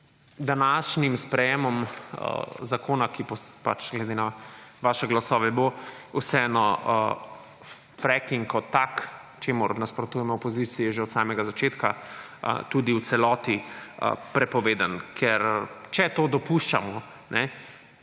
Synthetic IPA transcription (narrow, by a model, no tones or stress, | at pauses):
d̪anaʃnimspɾɛjemɔmə̰zakʰoːnakipɔpat͡ʃɡlɛd̪enaʋaːʃɛɡlasɔːʋɛbousɛɛnɔ | fɾɛkiŋkʰɔt̪ak | t͡ʃeːmʊɾnaspɾɔt̪uːjɛmɔɔpɔzit̪sijɛʒeɔt̪saːmɛɡazat͡ʃeːt̪ka | ə̰t̪ud̪iwt̪sɛlɔːt̪iə̰pɾɛpɔʋeːd̪ankʰɛɾt͡ʃɛt̪oːd̪ɔpuʃt͡ʃa̰mɔ | nɛ